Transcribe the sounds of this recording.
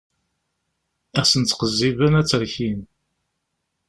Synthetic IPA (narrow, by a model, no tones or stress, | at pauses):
æsənt͡s̪ːqəzːivənæt͡sːəɾçin